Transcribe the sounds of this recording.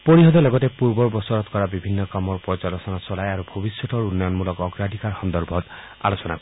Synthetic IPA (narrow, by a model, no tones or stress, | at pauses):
poɾiɦɔd̪ɔlɔɡɔt̪epuɾbɔɾbɔsɔɾɔt̪kɔɾabibʱinːɔkamɔɾpɔd͡ʒalɔsɔnasɔlajaɾubʱɔbisjɔt̪ɔɾunːɔjɔnmulɔkɔɡɾadʱikaɾxɔnd̪ɔɾbʱɔt̪ | a̰losɔna̰kɔ